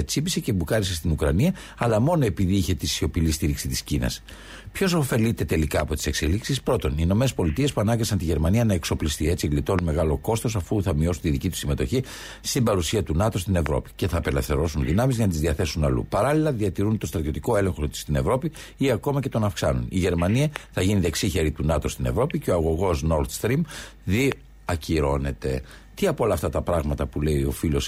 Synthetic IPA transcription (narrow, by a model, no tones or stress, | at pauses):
et͡sibisecebukɐɾisest̪inukɾɐ̰niɐː | lɐmo̞no̞e̞piðiiçe̞t̪isio̞pilist̪iɾiksit̪i̥scinɐ̰s | pço̞so̞fe̞lit̪e̞t̪e̞likɐːpo̞t̪i̥se̞kseliksispɾo̞t̪o̞nino̞me̞nespo̞lit̪ie̞spuɐnɐɡɐsɐnt̪iʝe̞ɾmɐniɐnɐe̞kso̞plist̪ie̞t͡siɣlit̪o̞nme̞ɣɐlo̞ko̞st̪o̞sɐfuθɐmio̞sunt̪iðicit̪u̥sime̞t̪o̞çi | st̪imbɐɾusiɐt̪unɐt̪o̞st̪ine̞vɾo̞pi̥ce̞θɐːpe̞lefθe̞ɾo̞sunðinɐmizʝɐnɐt̪izðiɐθe̞sunɐlṵpɐɾɐlilɐðiɐt̪iɾunt̪o̞st̪ɾɐt̪io̞t̪i̥ko̞e̞le̞ŋxot̪i̥st̪ine̞vɾo̞pi | iɐko̞mɐce̞t̪o̞nɐfksɐnṵniʝe̞ɾmɐniɐθɐʝiniðe̞ksiçe̞ɾit̪unɐt̪ost̪ine̞vɾo̞piceo̞ɐɣo̞ɣo̞sno̞ɾt̪st̪ɾimði | ɐciɾo̞ne̞t̪e̞ | t̪iɐpoolɐːft̪ɐt̪ɐpɾɐɣmɐt̪ɐpule̞io̞̰filo̞s